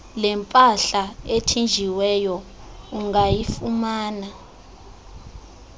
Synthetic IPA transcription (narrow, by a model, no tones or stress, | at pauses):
lɛmpʼaɬaetʰind͡ʒʱiwɛjɔ | uŋajifumaːna